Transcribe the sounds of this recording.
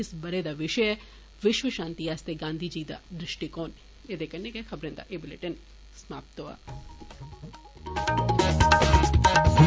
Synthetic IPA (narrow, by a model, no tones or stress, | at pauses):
ɪsbɐɾed̪aʋɪʃəjə | ʋɪʃʋəʃãːnt̪iaːst̪eɡãːnd̪ʱid͡ʒiːd̪a̰d̪ɾɪʃʈikoːn | ed̪ekɐnːekɐxɐbɾẽnd̪a̰ʔeːbɪlḛʈən | smaːpt̪oa̰